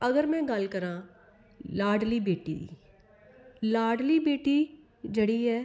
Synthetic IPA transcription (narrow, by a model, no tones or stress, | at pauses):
ɐɡəɾmɛ̃ɡaːlkɐɾã | laːɖlibeːʈḭ | laːɖlibeːʈi | d͡ʒɐɽiɦɛː